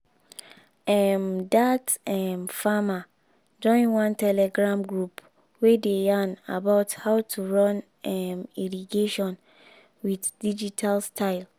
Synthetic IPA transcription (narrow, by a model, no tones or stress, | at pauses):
ɛmdatɛmfama | d͡ʒɔ̃ɪ̃nwãntɛlɛɡɹãmɡɹup | wedejãna̰baʊthaʊtʰuɹɔ̃n | ɛmiɹiɡeʃɔ̃n | widd̥id͡ʒitʰalstʰaɪl